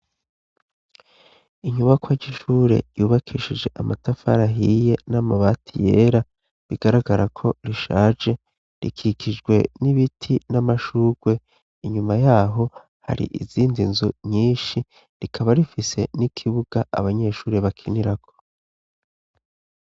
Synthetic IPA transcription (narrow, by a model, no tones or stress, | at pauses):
iɲuβakwaɟiʃuːɾe̞̰juːβakʰiʃid͡ʒe̞ʔamatafa̰ɾaɦije̞namaβaːtʰije̞ːɾa | βiɡaɾaɡaɾakʰo̞ɾiʃaːd͡ʒe̞ | ɾḭkʰikid͡ʒɡwe̞niβitʰinamaʃuːɡ̥we̞ | iɲumajaːɦo̞ | ha̰ɾḭʔiziːndinzuɲiːnʃi | ɾikʰaβaɾifise̞nikʰiβuɡ̥aʔa̰βaɲe̞ʃuːɾeβakʰiniɾakʰo̞̥